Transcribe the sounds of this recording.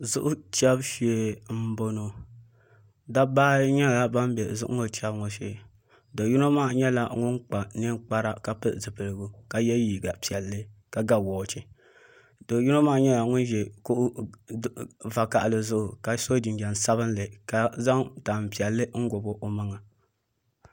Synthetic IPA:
zʊ˦ʔʊ˦t͡ʃa˦bʃi˦˨e˨m̩˦bo˦no˨ | da˦baː˦ɲɛ˦˨la˨ba˦m˦bɛ˨zʊ˦ʔʊ̰˦ŋo˨t͡ʃa˦bŋo˨ʃḛ˨ | do˨ju˦no˦maː˦˨ɲɛ˦la˨ŋʊ˦ŋk͡pa˨nɨ˦ŋk͡pa˦ɾa˦ka˨pɨ˦ʔzɨ˨pɨ˨lɨ˨ɡu˦ka˨jɛ˦jiː˨ɡa˨pi˨ɛ˨lːɨ˦ka˨ɡa˦wɔː˨t͡ʃi˨ | do˨ju˦no˦maː˦˨ɲɛ˦la˨ŋʊ˦nʒɛ˨ku˦ʔ | va˨ka˨ʔlɨ˨zʊ˦ʔʊ˨ka˨so˦d͡ʒi˨nɡɛ˨n˨sa˦βɨ˦n˦lɨ˨ka˨za˦ŋta˨m˨pi˨ɛ˨lːɨ˦ŋ̩˦ɡo˨bo˦ʔo˨ma˦ŋa˨

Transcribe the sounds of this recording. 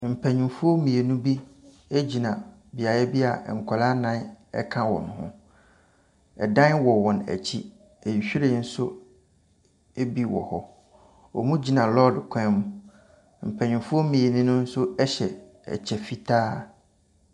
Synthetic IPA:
m̩˨pʰæ˨ɲĩ˨mfʊ˦o˦mĩ˨e˨nʊ̃˦bi˦ | e˦d͡ʑi˨nã˨ | bi˨a˨jɛ˦bi˦a˨ŋ̩˨kʷʰɔ˨la˦nã˦nɛ̰˦kʰã˦wɔ̰˨nʊ̃˨hʊ̰̃˦ | ɛ˨dã˦nwɔ˨wɔ̃˨næ̰˨t͡ɕʰi˦ | e˨ɕᶣi˦ɾe˦n̩˦sʊ˦ | e˦bi˦wɔ̰˨hɔ˦ | ɔ˨mũ˦d͡ʑi˨˦nã˨lɔ˦dkʷʰɛ̃˦mʊ̃˨˦ | m̩˨pʰæ̃˨ɲʊ̃˨fʊ˦ɔ˦mĩ˨e˨nĩ˦nʊ̃˦n̩˦sʊ˦ɛ˦ɕɛ˨ | ɛ̰˨t͡ɕʰɛ˨fi˦tʰaː˦

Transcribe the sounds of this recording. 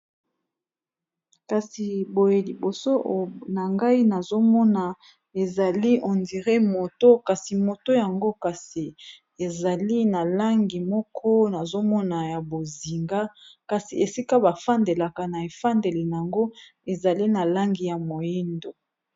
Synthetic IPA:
ka˨si˨bo˨je˨li˨bo˨so˦ʔna˨ŋɡa˦i˦na˨zo˦mɔ˦na˨ | e˨za˨li˦ʔo˨ndi˨ʁe˦mo˨to˦ka˨si˨mo˨to˦ja˨ŋɡo˦ka˨si˨ | e˨za˨li˦na˨la˦ŋɡi˨mɔ˦kʰɔ˦na˨zo˦mɔ˦na˨ja˨bo˨zi˨ŋɡa˦ka˨si˨e˨si˦ka˦ba˨fa˦nde˨la˨ka˨na˨e˨fa˦nde˨le˨n˨a˨ŋɡo˦e˨za˨li˦na˨la˦ŋɡi˨ja˨mo˨ji˦ndo˨

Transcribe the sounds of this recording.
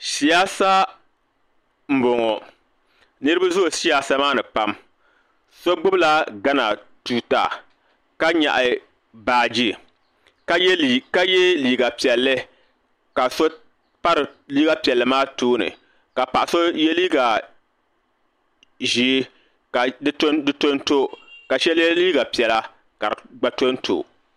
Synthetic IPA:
si˨ja˦sa˦ | m̩˨bo˨ŋɔ˨ | nɨ˦ɾɨ˦ba˦zʊ˦˨si˦ja˦sa˦maː˦nɨ˨pa˦m | so˦ɡ͡bʊ˦bla˦ɡa˦na˨tuː˨ta̰˨ | ka˦ɲa̰˨ʔɪ˨ | baː˨d͡ʒi˦˨ | ka˦jka˦jɛ˦liː˨ɡa˨pi˨ɛ˨lːɨ˦ | ka˨so˦ | pa˦ɾɨ˨liː˦ɡa˦pi˨ɛ˨lːɨ˨maː˦toː˦nɨ̰˨ | ka˨pa˨ʔso˦je˦li˦ɡa˨ | ʒiː˦ | ka˨dɨ˦to˦dɨ˦to˦nto˦ka˨ʃɛ˦ljɛ˦liː˦ɡa˨pi˨ɛ˨la˦ | ka˨ɾɡ͡ba˨to˦nto̰˨

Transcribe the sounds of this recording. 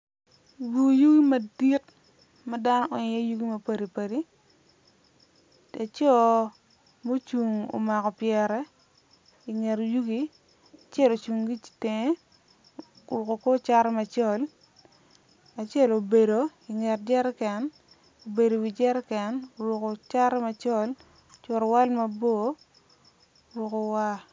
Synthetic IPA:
wu˨ju˦ɡi˦mɐ˨di˦t̚ | ma˦da˦nɔ˦ɔ˨ɲe˦ju˦ɡi˦mɐ˦pa˦ɾi˨pa˨ɾi˦ | a˨t͡ʃo˦˨ | mo˦t͡ʃu˨ŋo̰˨ma˨kɔ˨pjɛ˨ɾɛ˦ | i˨ŋɛ˨ɾju˦ɡi˦ | a˨t͡ʃɛ˦lo˨t͡ʃu˨ŋɡi˦i̥˨te˨ŋe˦ | wu˨ko˨ko˦t͡ʃa˦ɾɛ˦ma˨t͡ʃɔ˦˨l | a˨t͡ʃɛ˦˨lo˨be˨do˨i˨ŋɛ˨td͡ʒɛ˦ɾɛ˦kɛ˦n | o˨be˨do˨wi˨d͡ʒɛ˦ɾɛ˦kɛ˨no˨wʊ˨ko˨t͡ʃa˦ɾɛ˦ma˨t͡ʃɔ˦˨l | t͡ʃʊ˨ɾɔ˨wa˦lma˦bo˦˨˦ | wʊ˨ko˨wa˦

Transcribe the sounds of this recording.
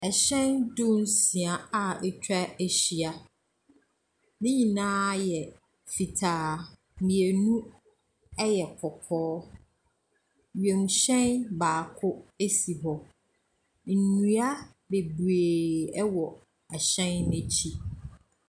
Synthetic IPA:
ɛ˨ɕɛ̃˦ndʊ̃˦n˦si˨a˨a˨ɛ˦t͡ɕʰᶣa˦e˨ɕi˨a˨ | nɪ̃˦ɲĩ˨nãː˦jɛ˨ | fi˨tʰaː˨ | mĩ˨e˨nũ˦ | ɛ˦jɛ˨kʰɔ˨kʰɔː˦ | ɥe˨m˨ɕɛ̃˦nbaː˨kʰʊ˦e˦si˨ɦɔ˦ | n̩˨nũ˦a˦ | be˨bɾeː˨ɛ˦wɔ˨ | ɛ˨ɕɛ̃˦nːẽ˦t͡ɕʰi˦

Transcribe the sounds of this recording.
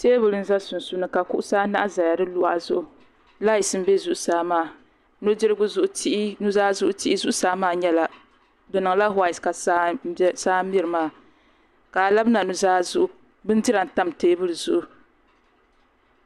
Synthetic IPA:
teː˦bɨ˨lɨ˦n̩˦za˦sʊ˨n˨su˦nɨ˨ka˨ku˦ʔʊ˦saː˦na̰˦ʔa˦za˨ja˨dɨ˦lʊ˦ʔa˦˨zʊ˦ʔʊ˨ | la˦i˨sɨ˦m̩˦be˦zʊ˦˨ʔʊ˨saː˦maː˦˨ | no˦dɪ˦ɾɨ˦ɡʊ˦zʊ˦ʔʊ˦ti˦nu˦zaː˦zʊ˦ʔʊ˦ti˦ʔɪ˦zʊ˦ʔʊ˦saː˦maː˦˨ɲɛ˦la˨ | dɨ˨nɨ˨ŋla˦ɦwa˦˨i˨ska˨sa˦saː˦mi˦ɾɨ˨maː˦˨ | ka˨la˦bɨ˦na˨nu˨zaː˦zʊ˦ʔʊ˨ | bɨ˦n˦dɨ˦ɾa˨n̩˨ta˦m˨teː˦bɨ˦lɨ˨zʊ˦ʔu˨

